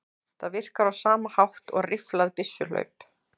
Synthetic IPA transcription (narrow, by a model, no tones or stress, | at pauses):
θaðvɪr̥kaɾawsaːmahawht̪ɔ̰ɣrɪflaðpɪsjʏlœ̰ːɥp